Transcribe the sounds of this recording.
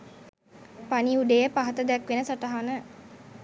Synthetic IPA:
paniuɖejəpaɦɐt̪əd̪ɛkʋenəsaʈaɦanə

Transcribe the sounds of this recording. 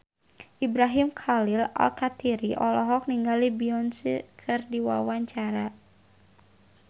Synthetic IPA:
ʔibɾaɦimkʰalila̰lkat̪iɾiʔɔlɔɦɔk̚niŋɡalibiɔnsikʰɨrdiwa̰waɲt͡ʃaɾa

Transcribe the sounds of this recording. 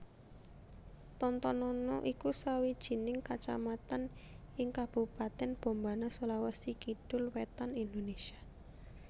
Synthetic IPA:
t̪ɔnt̪ɔnɔnɔʔikusawid̥ʒ̥i̤nɪŋkat͡ʃa̰mat̪an | ɪŋkab̥ṳpat̪ɛnb̥o̤mbanasolawasikiɖ̥ʊ̤lwet̪anind̪onesia

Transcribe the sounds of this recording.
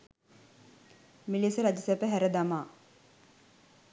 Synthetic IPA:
milisəɾad͡ʒəsɛpəɦæɾəd̪amaː

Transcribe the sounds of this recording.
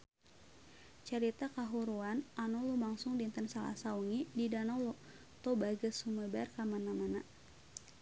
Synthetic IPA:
t͡ʃəɾit̪akaɦuɾuananɔlumaŋsʊŋdint̪ənsala̰sauŋididanɔlɔ | t̪ɔbaɡəsuməbarkamanamana

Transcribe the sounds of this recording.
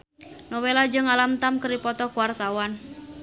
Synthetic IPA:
nɔwelad͡ʒəŋalamt̪amkəɾipɔt̪ɔkuwart̪awan

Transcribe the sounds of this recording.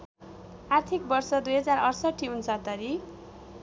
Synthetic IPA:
art̪ʰik̚bʌrsʌd̪ujɦʌd͡zarʌrsʌʈʰːiunsʌt̪ʌɾi

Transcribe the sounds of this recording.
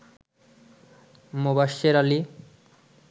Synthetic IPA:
mobaʃeɾali

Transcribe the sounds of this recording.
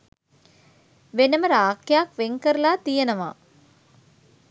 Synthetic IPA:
ʋenɐmɐɾaːkjaːkʋeŋkɐɾlaːt̪ijɐnɐʋa̰ː

